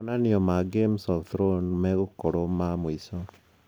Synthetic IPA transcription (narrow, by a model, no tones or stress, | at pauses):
naniɔmaɡemsaθɾonmɛɣukoɾomamuisɔ